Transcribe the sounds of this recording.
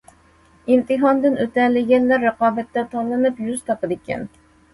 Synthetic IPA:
imt̪ʰɨɦɑnd̪ɨnøt̪ɛlɪɡʲɛnlæɾːəqɑːbɛt̪ːɛt̪ʰɑnlˠɨnɨpjyzt̪ʰɑpɨd̪ɪkʲʰɛ̰n

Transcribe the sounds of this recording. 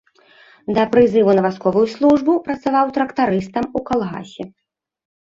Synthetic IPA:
d̪ɐpɾɨzɨvunɐvaskɔvujuslˠuʐbupɾɐt̪savawt̪ɾɐkt̪aɾɨst̪ɐmukalˠɣa̰sʲɛ

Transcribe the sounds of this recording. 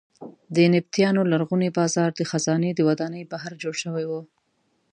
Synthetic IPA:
d̪ənɪb̚t̪jɑnolaɾɣunebɑzɑɾd̪əxazɑned̪əwad̪ɑnəjbaɦaɾd͡ʒoɽʃəwajwu

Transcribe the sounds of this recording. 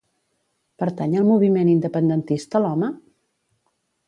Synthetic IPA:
pəɾt̪aɲəlˠmuβ̞imenind̪əpənd̪ənt̪ist̪əlɔmə

